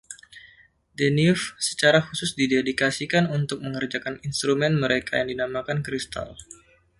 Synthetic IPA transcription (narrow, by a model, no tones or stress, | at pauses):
denifsə̥t͡ʃaɾahusʊsdidedikasikanunt̪ʊk̚məŋərd͡ʒakaninst̪ɾumɛnməɾekajaŋdinamakankɾist̪a̰l